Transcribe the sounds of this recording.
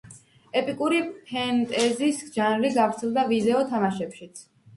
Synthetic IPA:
ɛpʼikʼuɾipʰɛnt̪ʼɛzisʒanliɡavɾt̪sʰɛlˠd̪avid̪ɛɔt̪ʰamaʃɛpʃit̪sʰ

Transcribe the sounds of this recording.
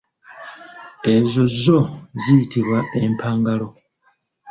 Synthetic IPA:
e̞zo̞zːo̞zijitiβwaʔe̞mpʰaːŋɡalo̞

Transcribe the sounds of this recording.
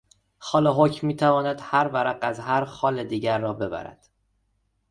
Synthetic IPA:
xɒːleɦocʰmiːt̪ʰævɒːnæd̪̥hæɾvæɾæɡæzhæɾxɒːled̪iːɟæɾːɒːbe̞bæ̰ɾæ̰d̪̥

